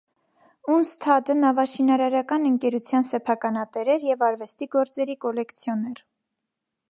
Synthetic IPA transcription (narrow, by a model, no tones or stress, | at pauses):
unst̪ʰɑd̪ənɑvɑʃinɑɾɑɾɑkɑnəŋkɛɾut͡sʰjɑnsɛpʰɑkɑnɑt̪ɛɾɛɾjɛvɑɾvɛst̪iɡɔɾt͡sɛɾikɔlɛkt͡sʰjɔnɛɾ